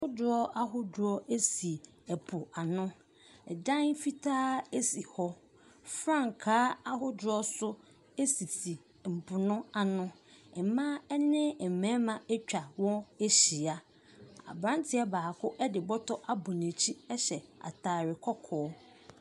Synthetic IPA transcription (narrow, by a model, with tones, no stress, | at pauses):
hʊ˦dʊ˦ɔ˦a˦ɦʊ˦dʊ˨ɔ˦e˦si˨ | ɛ˨pʰʊ˨a˨nʊ̃˦ | ɛ˨dã˦n˦fi˦tʰaː˦si˨hɔ˦ | fɾã˦˨ŋ˨kʰaː˦a˦ɦʊ˦dʊ˨˦ɔ˦sʊ˦ | e˦si˨tʰi˨ | m̩˨pʰʊ˨nʊ̃˦a˨nʊ̃˦ | ɛ˨mã˦ɛ˦nɪ̃˦˨m̩˨mɛ̃˦mã˨ɛ˦t͡ɕᶣa˨wɔ̃˦e˦ɕi˨a˦ | a̰˨bɾã˦ntʰɪ˦a˦baː˨kʰʊ˦ʔɛ˦dɪ˨bɔ˦tʰɔ˦ʔa˦bʊ˨nẽ˨t͡ɕʰi˦ɛ˦ɕɛ˨a̰˨tʰaː˨ɾɪ˨kʰɔ˦kʰɔː˨˦